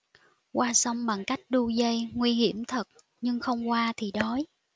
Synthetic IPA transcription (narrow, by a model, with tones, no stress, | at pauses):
kwaː˧sə˨˧wŋ͡mɓa˨˩ŋka˦˥jk̟̚ɗu˧zə˧jŋwi˧ɦi˧˩əmt̪ʰə˨˩t̚ | ɲɨ˧ŋxə˧wŋ͡mkwaː˧t̪ʰi˨˩ɗɔ˨˦j